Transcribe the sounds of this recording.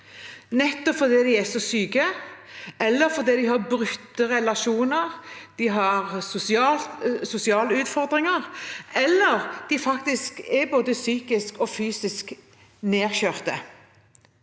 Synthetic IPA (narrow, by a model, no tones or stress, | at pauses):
nɛt̪ːɔpfɔɾd̪iːd̪ɪɛsɔsyːkə | ɛlːəɾfɔɾd̪iːd̪ɪhɑɾbɾʉt̪ːəɾɛlɑʃuːnəʁd̪̥ɪɦɑʁsʊsɑsʊsɪɑːləʉːt̪fɔɾd̪ʁɪŋəʁɛlːəʁd̪̥ɪfɑkt̪ɪskɛɾboːd̪əsyːkɪskɔfyːsɪsk | neːɾçøːʁt̪ə̰